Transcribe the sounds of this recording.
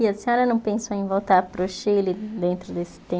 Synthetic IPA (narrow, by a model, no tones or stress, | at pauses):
iɐsẽɔɾɐnɐ̃w̃pẽsowẽj̃vowt̪aɾpɾʊʃilɪd̪ẽnt̪ɾʊd̪esɪ̥t̪ẽ